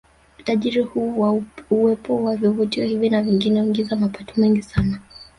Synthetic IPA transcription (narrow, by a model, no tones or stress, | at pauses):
u̥taʄiɾihuːwauwɛpɔwavjɔvɔtiɔhivinaviŋɡinɛuiŋɡizamapatɔ̥mɛŋɡisana